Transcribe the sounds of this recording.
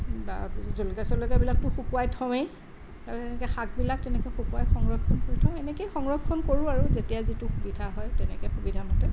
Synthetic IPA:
da̰zolkasɔlɔjkabilak̚tʊxukuwajtʰɔwej | atɛnɛkɛxak̚bilak̚tɛnɛkɛxukuajxɔŋɹɔkʰːɔnkoɹitʰɔ̃wɛnɛkejxɔŋɹɔkʰːɔnkoɹuaɹuzetijazituxubidʱaɦɔjtɛnɛkɛxubidʱamɔtɛ

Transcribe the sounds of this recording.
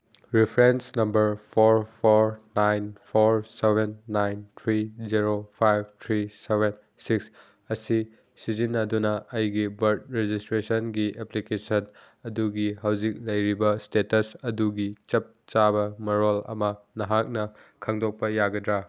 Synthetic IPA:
ɾipʰɾensnɐmbɐɾpʰoɾpʰoɾnajnpʰoɾsebʱenːajnt̪ʰɾiziɾopʰajb̚tʰɾiseβen | siks | ɐsi | sizinːɐdunɐʔɐjɡibɐɾt̚ɾed͡ʒistɾesɐnɡiʔeplikesɐn | ɐduɡiɦɐwzik̚lɐjɾibɐstetɐsɐduɡit͡ʃɐp̚t͡ʃabɐmɐɾolɐ̰mɐnɐɦak̚nɐkʰaŋdʱok̚pɐjaɡɐdɾa

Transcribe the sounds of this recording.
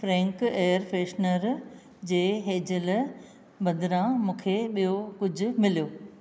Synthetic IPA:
fɾɛ̃ːŋkeːəɾfeːʃnəɾ | d͡ʑeːɦeːd͡ʑɪl | bɐ̃nd̪ɪɾãmũːkʰeɓijokʊd͡ʑʱʊ̆mɪlijoː

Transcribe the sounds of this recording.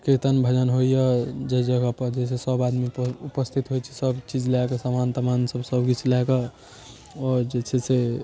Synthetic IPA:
kɾit̪ənbʱəd͡ʒənɦoijəd͡ʒəd͡ʒəɡəpəɾd͡ʒesesəbad̪miupəst̪ʰit̪ɦojt͡ʃʰi̥səbt͡ʃid͡ʒlakasamant̪əmansəbsəbɡit͡ʃʰlaka | ɔɾd͡ʒet͡ʃʰese

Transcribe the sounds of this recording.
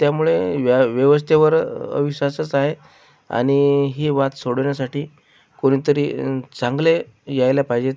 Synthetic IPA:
t̪jamuɭeʋjəʋəst̪ʰeʋəɾə̰ʋiɕʋasət͡saɦe | a̰ɽ̃iɦiːʋat̪soɽɳjasaʈiː | koɽ̃it̪əɾḭːt͡sãŋɡle | jajljapaɦjd͡ʑe

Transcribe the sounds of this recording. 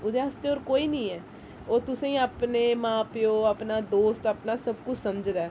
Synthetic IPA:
ʊd̪eəst̪eoːɾkoːiːnĩːɛː | oːt̪ʊsẽĩːapneːmãːpɪjoːapnaːd̪oːst̪apnaːsəbkʊt͡ʃʰsəmd͡ʒd̪aː

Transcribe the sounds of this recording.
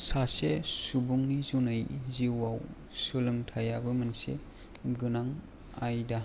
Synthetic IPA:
sasesubuŋnizunajziwaw | sɯlɯŋtʰajabɯmansḛ | ɡɯnaŋ | ajda

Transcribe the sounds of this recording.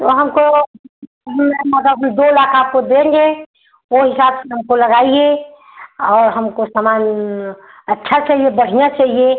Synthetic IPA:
t̪oɦɐmko | ɦmemɐɡ̪əbɦmd̪oːɪlaːqakod̪ẽːŋɡe | ʋoɦɪsaːbseɦɐmkolɐɡaːie | ɔːɾɦɐmkosaːmaːn | ɐt͡ʃːʃʰat͡ʃaːɦijebɐɽ̤ijat͡ʃaːɦije

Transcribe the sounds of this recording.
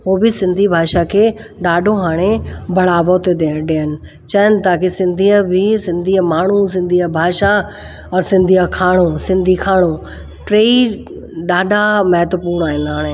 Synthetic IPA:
ɦoːbɪsɪ̃nd̪ʱibʱaːʃakʰeːɗaːɖʱõɦaːɽ̃ebʱɐɭaːbʱoːt̪ed̪eːɖeːənɪ̆ | t͡ɕɐjənɪ̆t̪aːkesɪ̃nd̪ʱiːəbʱɪsɪ̃nd̪ʱiːəmaːɳ̤̃us̬ɪ̃nd̪ʱiəbʱaːʃa | ɔɾsɪ̃nd̪ʱiəkʰaːɽ̃osɪ̃nd̪ʱikʰaːɽ̃o | ʈɾeːi | ɗaːɖʱamɐɦət̪əpuːɾɽ̃aːɦɪnɦaːɽ̃ẽ

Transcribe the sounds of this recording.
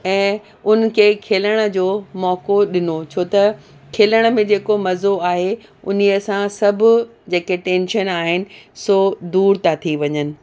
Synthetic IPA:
ɛ̃ː | ʊn̆kʰeːkʰeːləɽ̃ə̆d͡ʑoːmɔːkoɗɪnot͡ɕʰoːt̪ɐ | kʰeːləɽ̃əmẽd͡ʑeːkomɐzoaːɦe | ʊ̰n̤iɐsãsɐbʱʊ̆ | d͡ʑeːkeʈẽːnʃənaːɦɪnɪ̆soːd̪uːɾt̪ʰat̪ʰiʋɐɲənɪ̆

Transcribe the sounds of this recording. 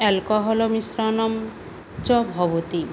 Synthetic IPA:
ɛlkɔɦɔlɔmisɾɔnɔm | t͡ʃɔbʱɔbot̪i

